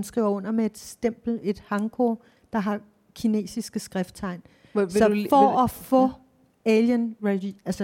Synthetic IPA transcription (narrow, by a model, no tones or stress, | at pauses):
nsɡ̥ʁḭʊ̰ɐɔ̽n̰ɐmee̝d̥sd̥em̰b̥l̩e̝d̥hɑ̈ŋɡ̥o | d̥ɑ̈ɦɑ̈ | kʰine̝̰ːsisɡ̥əsɡ̥ʁɛfd̥̚t͡sʰɑ̈ɪ̰n | sɒfɒɒfɔ̰̽ | eljənʁeælsə